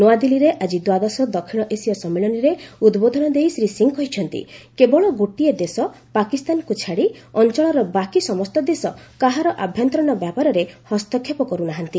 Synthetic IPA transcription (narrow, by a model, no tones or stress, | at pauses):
noad̪iliɾeʔad͡ʒid̪wad̪ɔsɔd̪ɔkʰiɽ̃ɔʔesiɔsɔmːeɭɔniɾeud̪bod̪ʱɔnɔd̪ejsɾisiŋɡkɔɦit͡ʃʰɔnt̪ḭkebɔɭɔɡoʈied̪esɔ | pakist̪anɔkut͡ʃʰaɽiɔnt͡ʃɔɭɔɾɔbakisɔmɔst̪ɔd̪esɔkaɦaɾɔʔabʱjɔnt̪ɾɔɽnɔbjapaɾɔɾehɔst̪ɔkʰːepɔkɔɾunaɦant̪i